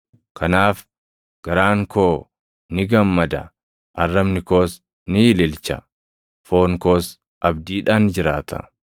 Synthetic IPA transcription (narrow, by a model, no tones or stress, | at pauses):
kʰɐnaːf | ɡ̥ɐɾaːŋkʰo̞ː | nɪɡɐmːɐd̪ɐ̰ | ʔɐrːɐbnɪko̞ːs | nɪɪlɪlt͡ʃɐ̰ | fo̞ːŋko̞ːs | ʔɐbd̪iːᶑaːnd͡ʒɪɾaːt̪ʰɐ̰